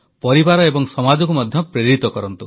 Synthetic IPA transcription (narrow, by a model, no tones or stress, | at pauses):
pɔɾibaɾɔebɔŋsɔmad͡ʒɔk̬umad̪ʱjɔpɾeɾit̪ɔkɔɾɔnt̪ṵ